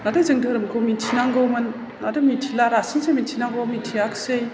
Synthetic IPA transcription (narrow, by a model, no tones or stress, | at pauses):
nadɯzɯŋdɯɾɯmkʰomintʰinaŋɡowmɯn | adɯmitʰilaɾasinsejmitʰinaŋɡowmintʰijaksej